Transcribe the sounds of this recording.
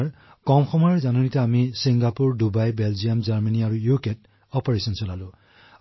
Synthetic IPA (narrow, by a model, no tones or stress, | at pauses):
ɹ | kɔmxɔmɔjɔɹzanunitɛamisiŋɡapuɹdubajbɛlzijamzaɹmaniaɹujuket̚ | ɔpɔɹesɔnsɔlalʊ̃